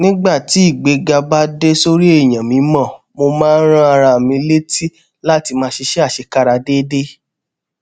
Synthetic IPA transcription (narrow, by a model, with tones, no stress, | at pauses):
nĩ˦ɡ͡ba˦˨ti˨˦i˦˨ɡ͡be˨˧ɡa˧ba˦de˦so˦ɾi˦e˦˨j̃ã˨mĩ˨˦mɔ̃˦˨ | mo˧mãː˦ɾ̃ã˦a˧ɾa˧˨mĩ˧˦le˦ti˦ | la˦˨ti˧mãː˧˦ʃe˧ʃe˦a˦˨ʃe˧ka˦ɾa˧de˦de˦